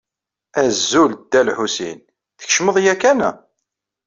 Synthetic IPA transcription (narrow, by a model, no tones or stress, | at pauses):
æzːuld̪ælħusḭn | θə̥çʃməðˤjækænæ̰